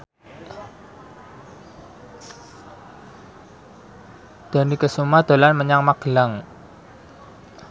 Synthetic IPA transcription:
d̪̥a̤nikəsumad̪̥o̤lanməɲaŋmaɡ̥əlaŋ

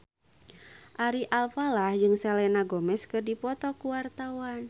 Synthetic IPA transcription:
ʔaɾiʔalfalahd͡ʒɨŋsɛlɛnaɡɔmɛskərdipɔt̪ɔkuwart̪awan

